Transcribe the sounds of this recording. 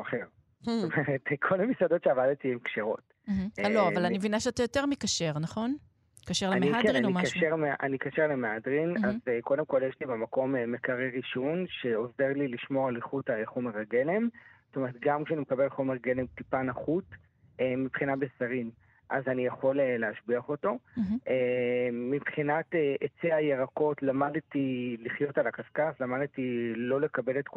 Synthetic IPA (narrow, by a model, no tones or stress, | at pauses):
aχeʁ | ztomeʁetkʰo̞lamisado̞tʃeavadtiemkʃeʁo̞̰t | m̩lloavalanimvinaʃeatajoteʁmikaʃeʁnaχo̞n | kaʃeʁlemeiadkʁinoimaaʃeʁmeʔa̰nikaʃeʁlemeadʁinazeko̞demko̞ljeʃlibamako̞memekaʁeʁiʃonʃe̞o̞zeʁliliʃmoʁaliχutaχo̞meʁaɡe̞lemz̥tome̞ʁet̪̚ɡamkʃeanimekabe̞lχo̞me̞ʁɡe̞le̞mtipanaχut | emibχinabesaʁin | ʔazanijaχo̞leleaʃbiaχo̞to̞ʔeː | ibχinateʔet͡seajeʁako̞tlamadtiliχjo̞talakaskaslamadtilo̞le̞kabe̞letk